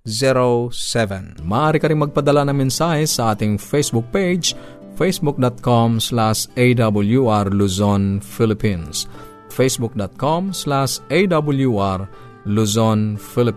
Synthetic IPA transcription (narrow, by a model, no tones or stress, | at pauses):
zɛɾosɛvɛnmaaɾikaɾiŋmaɡ̚pad̪alanɐŋmɛnsaɦɛsaat̪iŋfesbuk̚ped͡ʒ | fesbuk̚dɔt̪̚kɔmslasejdabuljuarluzɔnfilipins | fesbuk̚dɔt̪̚kɔmslasedabuljuar | luzɔnfilip